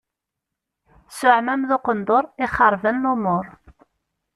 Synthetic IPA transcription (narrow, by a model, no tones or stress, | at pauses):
sʊʕmæmðoqənd̪ˤoɾˤɪχːəɾˤvənːomʊɾˤ